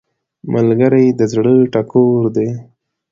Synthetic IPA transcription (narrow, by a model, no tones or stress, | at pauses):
malɡəɾajd̪əzɽəʈakoɾd̪e